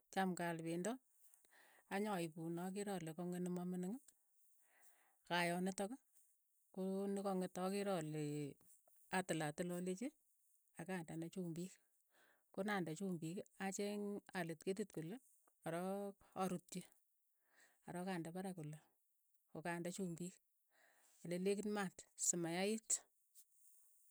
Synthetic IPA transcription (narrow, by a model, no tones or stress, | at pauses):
t͡ʃamkalpendɔ | aɲɔipunɔk̬iɾɔlekoŋenɪmɔmɪnɪŋɪ | kajɔnetɔkɔ | konɪkɔŋetɔkiɾɔle | atɪlatɪlɔlet͡ʃe | akandanat͡ʃuːmbik | konandat͡ʃumbikat͡ʃeŋalɪtket̬itkule | aɾɔaɾutje | aɾɔkandapaɾakule | kokandat͡ʃumbik | alelekɪnmatsɪmajaɪt